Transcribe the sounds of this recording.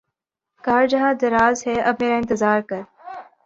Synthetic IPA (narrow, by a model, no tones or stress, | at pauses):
kaːɾd͡ʒɐɦãd̪ɐɾaːzɦɛːʔɐb̚meːɾaːɪ̃nt̪ɪzaːɾkɐɾ